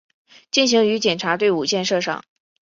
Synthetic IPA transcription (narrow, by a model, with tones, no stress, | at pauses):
t͡ɕi˥˩nɕi˧˥ŋy˧˥t͡ɕjɛ˨˩nʈ͡ʂʰa˧˥t̪we˥˩ɪu˨˩t͡ɕjɛ˥˧nʂɤ˥˧ʂɑ̰˥˩˦ŋ